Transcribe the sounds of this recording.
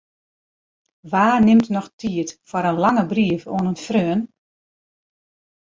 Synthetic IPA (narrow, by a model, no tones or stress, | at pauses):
ʋaːrnɪmtnɔxtʰiətfɔɾənlaŋəbriəfo̰ənənfrøən